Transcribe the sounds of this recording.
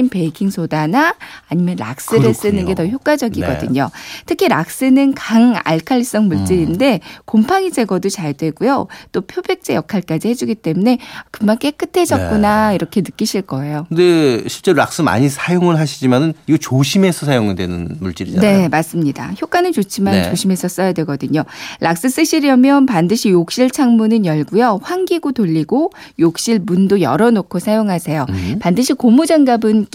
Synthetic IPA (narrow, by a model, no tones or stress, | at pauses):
impe̞ikʰiŋsʰodanaaɲimjʌnɾa̰k̚s͈ɯɾɯss͈ɯnɯnɡe̞tʌçjok͈ad͡ʑʌɡiɡʌ̰dɯ̰ɲotʰɯkʰiɾak̚s͈ɯnɯnkaŋa̰ɭkʰaʎːis͈ʌŋmuɭt͡ɕ͈iɾinde̞kompʰaŋid͡ʑe̞ɡʌdot͡ɕaɭdwe̞ɡ̥ujot͈opʰjobe̞k̚t͡ɕ͈ejʌkʰaɭk͈ad͡ʑihe̞d͡ʑuɡit͈e̞mune̞kɯmank͈e̞k͈ɯtʰe̞d͡ʑʌk̚k͈unaiɾʌkʰe̞nɯk͈iɕʰiɭk͈ʌe̞jokɯnde̞ɕʰiɭt͡ɕ͈e̞ɾoɾa̰k̚s͈ɯma̰ɲisʰajoŋɯɭɦaɕʰid͡ʑimanɯniɡet͡ɕoɕʰime̞sʰʌs̬ʰajoŋidwḛnɯ̰nmuɭt͡ɕ͈iɾine̞mas͈ɯmɲida̰çjok͈anɯnt͡ɕot͡ɕʰimannt͡ɕoɕʰime̞sʰʌs͈ʌjadwe̞ɡʌdɯɲolʔak̚s͈ɯs͈ɯɕ͈iɾjʌmjʌnpandɯɕʰijok̚ɕ͈iɭt͡ɕʰaŋmunɯnjʌɭɡujʌɸwaŋɡiɡotoʎːiɡo | jok̚ɕ͈iɭbundojʌɾʌnokʰosʰajoŋɦasʰe̞jopandɯɕʰikomud͡ʑaŋɡabɯn